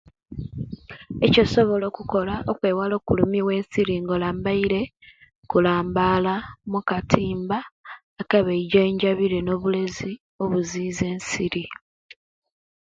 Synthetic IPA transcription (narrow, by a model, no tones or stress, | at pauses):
e̞coso̞βo̞lo̞ːkuko̞laʔokwe̞ːwalo̞ːkulumiwe̞ːnsiɾiŋɡolaːmbaiɾe̞ | kulaːmbalamukatʰiːmbaː | kaβeiɟeːɲɟaβiɾeno̞ːβule̞zi | o̞βuziːze̞ːnsiɾi